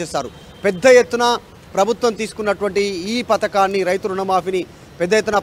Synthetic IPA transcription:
ɛːsaːɾu | pɛd̪ːɐjet̪ːunɐ | pɾɐbʱut̪ʋɐmt̪iːsu̥kunːɐʈuʋɐɳʈiːpɐt̪ɐkaːnːiɾɐjt̪uɾuɳɐmaːpini | pɛd̪ːɐjet̪ːunɐ

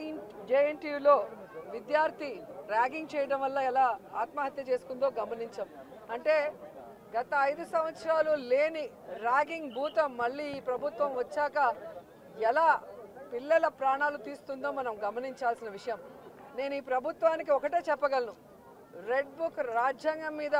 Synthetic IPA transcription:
d͡ʒejeɳʈiːʋlo̞ːʋid̪jaːɾt̪iɾaːɡiŋɡt͡ʃɛːjɐɽɐmʋɐlːɐɛlaːaːt̪mɐɦɐt̪jɐt͡ʃe̞ːsu̥kund̪o̞ːɡɐmɐniɲt͡ʃɐm | ɐɳʈe̞ː | ɡɐt̪ɐɐjd̪usɐmʋɐt̪sɾaːlule̞ːni | ɾaːɡiŋɡbʱuːt̪ɐmːɐɭːiːiːpɾɐbʱut̪ʋɐmʋɐt͡ʃːaːkɐ | ɛlaːpilːɛlɐpɾaːɳaːlut̪iːsu̥t̪und̪o̞ːmɐnɐmɡɐmɐniɲt͡ʃaːlsinɐʋiʂɐjɐm | ne̞ːnuiːpɾɐbʱut̪ʋaːnik̬iɔkɐʈe̞ːt͡ʃɛpːɐɡɐlɐnu | ɾe̞ɖ̚bukɾaːd͡ʒjaːŋɡɐmːiːd̪ɐ

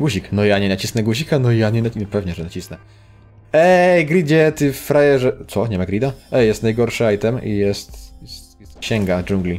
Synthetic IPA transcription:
ɡwuʑiknɔjaɲɛnat͡ɕisnɛɡuʑikanɔjaɲɛnpɛvɲɛʐɛnat͡ɕisnɛ | ɛɡɾʲid͡ʑɛt̪ɨffɾajɛʐɛt̪sɔɲɛmaɡɾʲid̪aɛjɛst̪najɡɔɾʂɨajt̪ɛmḭjɛst̪sjɛst̪ɕɛŋɡad͡ʒuŋɡlʲi

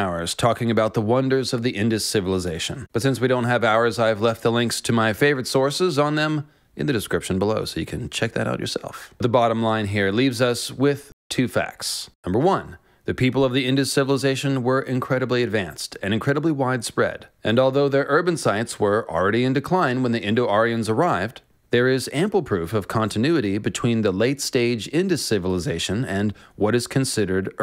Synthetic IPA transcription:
aʊə̰˞z̥tʰɔkɪ̃ŋɨbaʊt̪̚ðəwʌ̃ndə˞zʌvðiʔɪ̃ndɨssɪvəl̩ˠəzeɪʃɨ̰̃nb̥ʌtsɪ̃nswiɾõʊ̃nt̚ɦɨvaʊə˞zaɪvlɛft̪̚ðəlɛ̃ŋkstʰɨmaɪfeɪvə˞ɨtsɔɹsɪzn̩ðɨ̃m | ʔɨ̰̃nðɨdɨskɹɪpʃɨ̃n̩bəloʊsoʊjɨkʰɨ̃nt͡ʃʰɛk̚ðɨ̰ɾʔa̰ʊt͡ʃə̰˞sɛ̰lˠfðəbɑɾə̃mlãɪ̃nɦiɹlivzʌswɪð̥tʰʉfæ̰k̚tsnʌ̃mbə˞wʌ̃n | ðɨpʰipl̩ˠʌvðiɪ̃ndɨsɪvl̩ˠəzeɪʃɨ̃nwə˞ʔɨ̃nkʰɹ̥ɛɾəbliɨdvæ̃nstʰɨ̃ñɨ̃nkʰɹ̥ɛɾəbliwaɪd̥spɹɛ̰ɾʔɨ̃nɔlˠðoʊðə˞ʔɜ˞bɨ̃nsaɪtswə̰˞l̩ˠɹɛɾiɨ̃ndɨkʰl̥ãɪ̃nwə̃nðiʔɪ̃ndoʊɔɹiɨ̃nzə˞aɪvd | ðə˞ɪzæ̃mpl̩ˠpʰɹ̥ʉfʌv̥kʰɑ̃ntʰɨnʉɨɾibɨtʰw̥ĩnðəleɪtsteɪd͡ʒɪ̃ndɨssɪvəl̩ˠəzeɪʃɨ̃nɨ̃nwʌɾɨz̥kʰɨ̃nsɪɾə˞ɾ

